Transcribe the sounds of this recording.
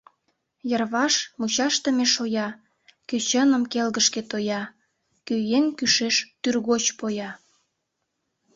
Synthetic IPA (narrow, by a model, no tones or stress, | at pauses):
jərβɑʃmut͡ɕɑʃt̪ə̆meʃojɑ | køt͡ɕənəmkelɣəʃket̪ojɑ | køjenkyʃeʃt̪yrɣot͡ɕpojɑ